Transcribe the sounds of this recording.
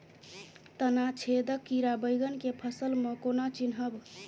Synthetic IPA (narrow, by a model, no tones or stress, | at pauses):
t̪ənat͡ʃʰed̪əkːiɾabəjɡənkepʰəsəlmẽkonat͡ʃinɦəb